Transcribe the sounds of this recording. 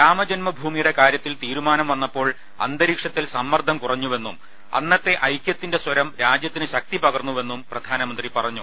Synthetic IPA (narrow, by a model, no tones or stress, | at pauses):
ɾaːmɐd͡ʑɐnmɐbʱuːmijuɽe̞kaːɾjɐt̪ːilt̪iːɾumaːnɐmʋɐnːɐpːo̞ːɭ | ɐ̰nd̪ɐɾiːkʂɐt̪ːilsɐmːɐrd̪ʱɐmkurɐɲːuʋe̞nːum | ɐ̰nːɐt̪ːe̞ʔɐjkʲjɐt̪ːinde̞swɐɾɐmɾaːd͡ʑjɐt̪ːinɨɕɐk̚t̪ipɐɣɐrnːuʋe̞nːumprɐd̪ʱaːnɐmɐnd̪ripɐrɐɲːu